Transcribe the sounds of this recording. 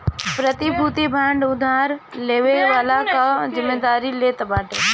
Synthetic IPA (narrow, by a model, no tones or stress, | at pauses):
pɾət̪ibʱut̪ibʱãːɳɖʊd̪ʱaːɾleːʋeʋaːlakazɪmːeːd̪aːɾileːt̪ɐbaːʈeː